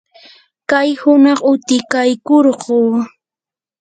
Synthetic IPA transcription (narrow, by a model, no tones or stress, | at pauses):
kajhʊnɑχʊt̪ɪkajkoɾɢoː